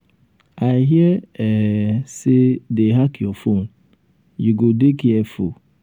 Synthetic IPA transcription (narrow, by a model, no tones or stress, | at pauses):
aɪɦjɛɛsɪdeɦakɪɔfon̩ | jiɡodekiɛfo